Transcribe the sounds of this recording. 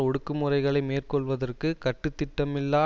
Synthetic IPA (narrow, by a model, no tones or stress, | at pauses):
ɔɽɯkːɯmɯrɐɪɣɐɭɐɪmeːrkɔɭʋɐðɐrkɯkɐʈːɯt̪ːɪʈːɐmɪlːaː